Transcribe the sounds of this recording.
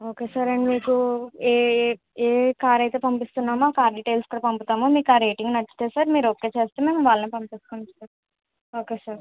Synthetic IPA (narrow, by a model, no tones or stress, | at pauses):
oːke̞ːsaːɾɐɳɖmiːkueː | eːkaːɾɐjt̪eːpɐmpist̪unːaːmaːkaːɾɖiʈejlsu̥kuːɽaɐpɐmpit̪aːmomiːkaːɾeːʈiŋɡnɐt͡ʃːi̥t̪eːsaːɾmiːɾokːe̞ːt͡ʃe̞ːst̪eːme̞ːmʋaːlɐniːpɐmpiskuɳsaɾ | o̞ːkeːsaːɾ